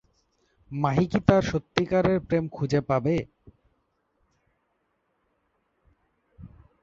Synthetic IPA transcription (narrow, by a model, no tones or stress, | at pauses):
maɦikit̪aɾʃot̪ːikaɾeɾpɾemkʰud͡ʑepabe